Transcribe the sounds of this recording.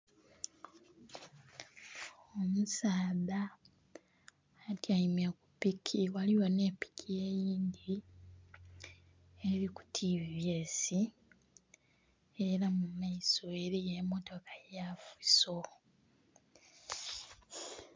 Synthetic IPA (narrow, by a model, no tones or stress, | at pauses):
omusaːða | taimjekupikʰiwaliwone̞ːpi̥kʰije̞ːjiːnd̪i | eɾiku̥tʰivje̞ːsi | eɾamumaisoe̞ɾije̞mo̞to̞kʰḁjafiso̞